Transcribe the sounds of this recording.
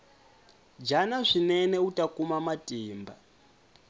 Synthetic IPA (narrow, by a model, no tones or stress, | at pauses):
d͡ʒanaʂinɛnɛutʼakumamatʼiːmba